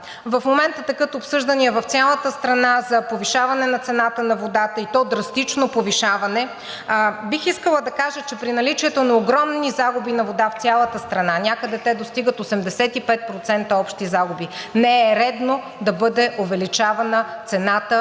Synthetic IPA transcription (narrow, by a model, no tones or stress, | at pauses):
vɐfmomɛnt̪ət̪ɛkət̪oːpsɤʒd̪əniɛvɐft̪sʲjalˠət̪əst̪ɾɐnazɐpoviʃavɐnɛnɐt̪sɛnat̪ənɐvod̪at̪əit̪ɔd̪ɾɐst̪it͡ʃnopoviʃavɐnɛ | bixiskəlˠəd̪ɐkaʒət͡ʃɛpɾinɐlit͡ʃiɛt̪onɐoɡɾɔmnizaɡubinɐvod̪aft̪sʲjalˠət̪əst̪ɾɐnanʲakəd̪ɛt̪ɛd̪ost̪iɡət̪osɛmd̪ɛsɛt̪ipɛt̪̚pɾot̪sɛnt̪əɔpʃt̪izaɡubinɛɛɾɛd̪no | d̪ɐbɤd̪ɛʔovɛlit͡ʃavɐnət̪sɛnat̪ə